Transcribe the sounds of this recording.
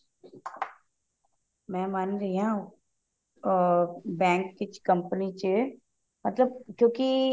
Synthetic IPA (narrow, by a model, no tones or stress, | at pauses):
mɛ̃ːmanɾɐɦiã | bɛ̃ːŋkːɪt͡ʃkɐmpənit͡ʃə | mɐt̪ləbkjõːki